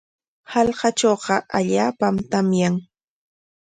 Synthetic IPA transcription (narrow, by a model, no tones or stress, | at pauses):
hɑlɢɑt͡ʃoːɢɑʔaʎaːpamt̪amjaŋ